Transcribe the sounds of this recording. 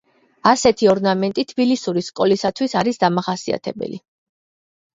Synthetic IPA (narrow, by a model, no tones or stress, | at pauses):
asɛt̪ʰiɔɾnamɛnt̪ʼit̪ʰbilisuɾiskʼɔlisat̪ʰwisaɾisd̪amaχasia̰t̪ʰɛ̰bɛ̰li